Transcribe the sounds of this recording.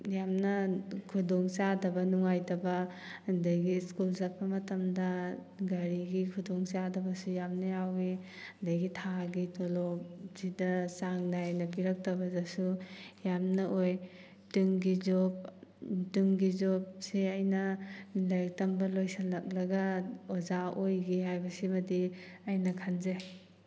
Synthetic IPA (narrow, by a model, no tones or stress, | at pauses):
jamnɐkʰudɔŋsadɐbɐnuŋajtɐbɐ | ndajɡiskulzap̚pɐmɐtamdɐ | ɡaɾiɡikʰudɔŋsadɐbɐsujamnɐjawi | ndajɡitʰaɡitɔlɔp̚zidɐsaŋnajnɐpiɾɐk̚tɐbɐzasujamnɐʔoj | tɯŋɡizɔp̚tɯŋɡizɔp̚seajnɐlajk̚tambɐlojsalɐk̚lɐɡaɔzaojɡiɦajbɐsibadi | ajnɐkʰanze